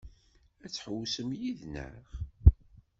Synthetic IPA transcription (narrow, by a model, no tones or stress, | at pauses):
æt͡sːħəwsəmjiðnə̰χ